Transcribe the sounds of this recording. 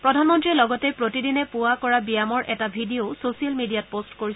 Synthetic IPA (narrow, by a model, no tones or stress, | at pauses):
pɹɔdʱanmɔntɹiɛlɔɡɔtɛpɹotidinɛpuwakɔɹabijamɔɹʔɛtabʱidiososialmidijat̚postkoɹis